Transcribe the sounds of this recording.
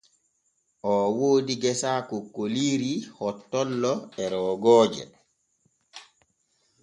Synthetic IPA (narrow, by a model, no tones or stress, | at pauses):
ʔɔwoːdiɡɛsaːkokːoliːɾihɔtːɔlːɔɛɾɔːɡɔːd͡ʒɛ̰